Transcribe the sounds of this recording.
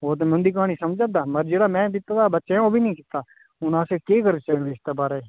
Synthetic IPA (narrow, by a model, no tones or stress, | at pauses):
oːt̪̬emɛ̃ʊnd̪iːk̬aːñiːsəmd͡ʒãːd̪aːməɾd͡ʒeːɽaːmɛ̃ːkɪt̪ad̪aːbətːʃẽoːbʱiːnəĩːkɪt̪aː | ʊnãːsekeːkəɾt͡ʃəːeːst̪ebaːɾeː